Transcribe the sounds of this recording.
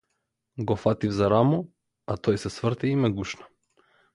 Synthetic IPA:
ɡɔfat̪ivzaɾamɔ | at̪ɔjsɛsvr̩t̪iimɛɡuʃnḁ

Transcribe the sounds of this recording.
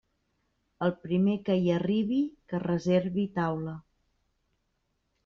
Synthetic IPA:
əlˠpɾimekəjiəriβikərəzeɾβit̪awlə

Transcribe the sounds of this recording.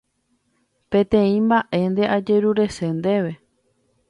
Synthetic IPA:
pẽ̞t̪ẽ̞ĩmbaʔe̞nd̪e̞ʔad͡ʒe̞ɾuɾe̞se̞nd̪e̞ʋe̞

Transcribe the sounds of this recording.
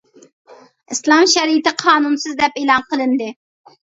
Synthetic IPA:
islˠɑmʃɛɾiɪt̪ɪqʰɑːnunsɨzd̪ɛpelˠɑnqəlˠɨnd̪ɨ

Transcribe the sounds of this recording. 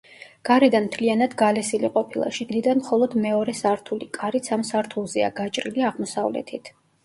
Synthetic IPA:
ɡ̥aɾɛd̪anmt̪ʰlianad̪ɡalɛsiliqʼɔpʰilˠa̰ʃiɡnid̪anmχɔlˠɔd̪mɛɔɾɛsaɾt̪ʰulikʼaɾit̪sʰamsaɾt̪ʰulˠzɛa̰ɡat͡ʃʼɾiliaʁmɔsavlɛ̰t̪ʰit̪ʰ

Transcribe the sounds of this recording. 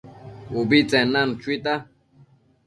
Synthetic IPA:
ubit͡sʼɛnːan̩t͡ʃʰwit̪a

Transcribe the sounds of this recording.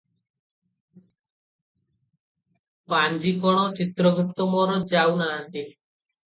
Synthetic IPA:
pand͡ʒikɔɽ̃ɔt͡ʃit̪ɾɔɡukt̪ɔmɔɾɔd͡ʒawnaːnt̪i

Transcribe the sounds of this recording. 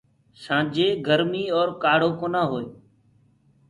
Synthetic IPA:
sãːd͡ʒeːɡəɾmiːɔːɾkaːɽ̤oːkoːnãːɦoːeː

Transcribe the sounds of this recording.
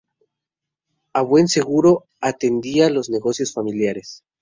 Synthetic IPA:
aβwe̞nse̞ɣuɾo̞ | at̪e̞nd̪ialo̞zne̞ɣo̞sjo̞sfamiljaɾes

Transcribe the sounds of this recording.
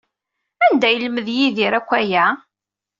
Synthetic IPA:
ænd̪æjəlməðjiðiɾækʷːæjæ

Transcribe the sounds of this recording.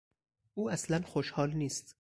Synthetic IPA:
ʔuːæslænxoʃhɒːlniːst̪

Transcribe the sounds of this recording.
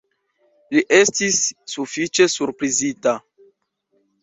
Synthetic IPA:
liʔe̞stisːufit͡ʃe̞suɾpɾizita

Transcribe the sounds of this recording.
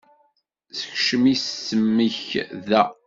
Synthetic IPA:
sə̥çʃəmissəmːəçðæ

